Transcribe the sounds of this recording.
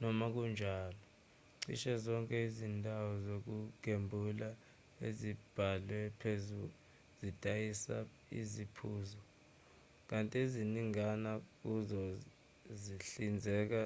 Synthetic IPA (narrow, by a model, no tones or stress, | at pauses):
nɔmak̬und͡ʒʱaːlɔ | ǀḭʃɛzɔŋkʼɛizindʱawɔzok̬uk̬embʱula | ḛzib̥ʱalwɛpʰezu | zidʱʼajisa | ḭzipʰuːzɔ | k̬antʼieziniŋanak̬uzɔ | ziɬind͡zʱɛːk̬a